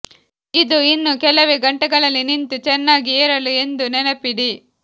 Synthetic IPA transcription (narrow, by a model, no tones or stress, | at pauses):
id̪uinːukɛlɐʋeɡɐɳʈɛɡɐɭɐlːinint̪ut͡ʃɛnːaːɡieːɾɐlue̞nd̪unɛnɐpiɽi